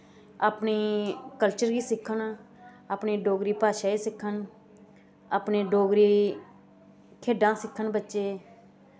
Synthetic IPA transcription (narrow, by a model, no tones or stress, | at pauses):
aːpɳeːkəlt͡ʃəɾɡiːsɪkʰːən | aːpneːɖoːɡɾiːpaːʃaːiːsɪkʰːən | aːpneːɖoːɡɾiː | kʰeːɖãːsɪkʰːənbətːʃeː